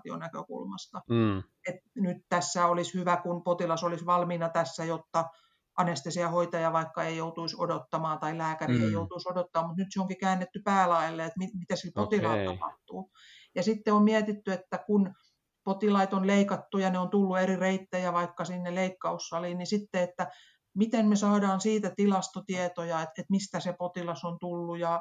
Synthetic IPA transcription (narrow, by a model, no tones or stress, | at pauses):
t̪io̰nækø̰kṵlmɑ̰st̪ɑ | et̪nyt̪t̪æsːæolishyʋækunpot̪ilɑsolisʋɑlmiːnɑt̪æsːæjot̪ːɑ | ʔɑnest̪esiɑhoit̪ɑjɑʋɑikːɑeijout̪uiso̰dot̪ːɑmɑːt̪ɑilæːkærḭḛijout̪uisodot̪ːɑːmmut̪nyt̪seoŋkikæːnːet̪ːypæːlɑilːeet̪mimit̪æsilpot̪ilɑit̪ːɑpɑ̰ht̪uː | jɑsit̪ːeommiɛt̪it̪ːyet̪ːækun | pot̪ilɑit̪onleikɑt̪ːujɑneont̪ulːuerireit̪ːejæʋɑikːɑsinːeleikːɑusːɑlinnisit̪ːeet̪ːæ | mit̪enmesɑːdɑːnsiːt̪æt̪ilɑst̪ot̪iɛt̪ojɑet̪et̪mist̪æsepot̪ilɑsont̪ulːujɑ